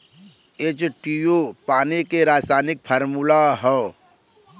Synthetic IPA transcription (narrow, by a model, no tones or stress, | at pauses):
eːt͡ʃʈijopaːnikeɾaːsaːnɪk̚pʰəɾmulaɦɔ